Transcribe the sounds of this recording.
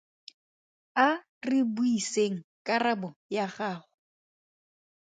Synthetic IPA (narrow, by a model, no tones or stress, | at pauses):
a | rɪbuiseŋ̩kʼarabɔjaχaːχʊ